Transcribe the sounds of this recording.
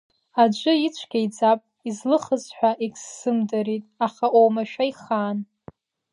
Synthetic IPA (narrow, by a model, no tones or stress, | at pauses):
ad͡ʒʷʼɨit͡ʃʷʰɡʲaid͡zapʼ | izlɨχəzħʷᶣaʔikʼsːɨmdaɾitʼaχaʔowmaʃᶣaiχaːn